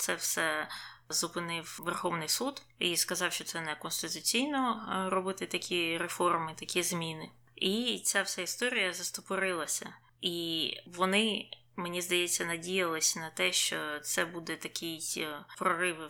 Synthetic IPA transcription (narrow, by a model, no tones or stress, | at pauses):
t̪sɛwsɛzʊpɪnɪwʋerxɔʋnɪjsud̪iskɐzɑwʃt͡ʃɔt̪sɛnɛkɔnst̪ɪt̪ʊt͡sʲijnɔɾɔbɪt̪ɪt̪ɐkʲʰiɾefɔrmɪt̪ɐkʲizmʲinɪ | it͡sʲawsɛist̪ɔɾʲijɐzɐst̪ɔpɔɾɪlˠɐsʲɐ̰ | iʋɔnɪ | menʲizd̪ɐjet͡sʲːɐnɐdʲijɐlˠɪsʲnɐt̪ɛʃt͡ʃɔt̪sɛbud̪ɛt̪ɐkʲijpɾɔɾɪʋɪ